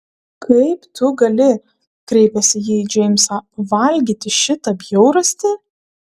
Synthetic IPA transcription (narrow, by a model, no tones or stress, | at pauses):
kʰɐɪpt̪ʊɡɐlʲɪ | kɾʲɛɪpʲɛsʲɪjiːd͡ʒʲɛɪmʲsɐʋɐlʲɡʲiːt̪ʲɪʃʲɪt̪ɐbʲjɛʊɾɐsʲt̪ʲɪ